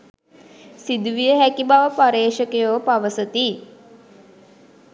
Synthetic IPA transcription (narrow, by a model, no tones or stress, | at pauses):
sid̪uʋijəɦækibaʋəpaɾeːʃəkejoːpaʋəsət̪i